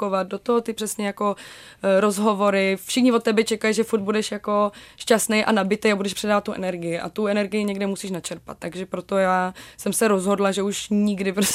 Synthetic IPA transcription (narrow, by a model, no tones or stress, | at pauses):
kovat̪̚do̞t̪oɦot̪ɪpr̥ɛsɲɛjako̞ | ɾo̞zɦo̞vo̞ɾɪfʃɪxɲɪvot̪ːɛbɛt͡ʃɛkaliʒɛfuɾt̪̚budɛʃjako̞ʃcast̪nejʔa̰nabɪt̪ejabudɛʃpr̥ɛdaːvat̪ːuʔɛ̰nɛɾɡɪjɪʔa̰t̪uɛnɛɾɡɪjɪɲɛɡdɛmusiːʃ̬nat͡ʃɛɾpa̰t̪ːaɡʒɛpɾo̞t̪ojaːsɛmsɛɾo̞zɦo̞dlaʒɛuʃɲɪɡdɪpɾos